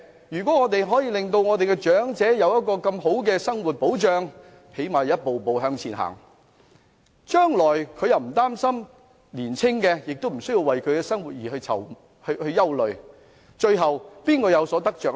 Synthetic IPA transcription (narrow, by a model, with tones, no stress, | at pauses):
jyː˨kwɔː˨˥ŋɔː˨˧t̪̬e˨jɦɔː˨˥jiː˧lɪ˨ŋt̪o˧wŋɔː˨˧t̪e˨jkɛ˧t͡ʃœː˨˥ŋt͡sɛː˨˥jɐ˨˧wjɐ˥t̚kɔː˧kɐ˧mɦo˨˥wkɛː˧sɐ˥ŋwu˨t̚po˨˥wt͡ʃœː˨˧ŋ | phe˨˥jmaː˨jjɐ˥t̚po˨wpo˨wɦœː˧ŋt͡sʰiː˨nɦa̰ː˨˩ŋ | t͡ʃœː˥ŋlɔː˨˩jkʰɵ˨˧jɐ˨wm̩˨˩t̪aː˥msɐ˥m | liː˨˩nt͡sʰɪ˥ŋkɛː˧jɪ˨k̚t̪o˥m̩˨˩sɵ˥ji˧wɐ˨jkʰɵ˨˧ɥkɛ˧sɐ˥ŋwuː˨t̚jiː˨˩ɦɵ˧t͡sʰɐ̰˨˩w | hɵ˧hɵ˧ɥjɐ˥wlɵ˨˩ɥ | t͡ʃɵ˧ɥɦɐ˨wpiː˥nkɔː˧jɐ˨˧wsɔː˨˥t̪ɐ˥k̚t͡ʃœː˨k̚